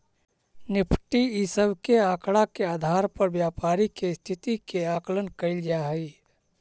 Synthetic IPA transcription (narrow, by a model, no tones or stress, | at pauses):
nɪpʰʈiisəbkeaːkɽakeaːd̪ʱaːɾpəɾbjaːpaːɾikest̪ʰɪt̪ikeaːklənkəɪld͡ʒaɦəi